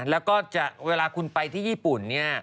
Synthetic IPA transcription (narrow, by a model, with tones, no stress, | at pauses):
lɛː˦˥wkɔː˥˩t͡ɕa˨˩k̚weː˧laː˧kʰu˧npa˧jt̪ʰiː˥˩jiː˥˩pu˨˩nːi˥˩ɐ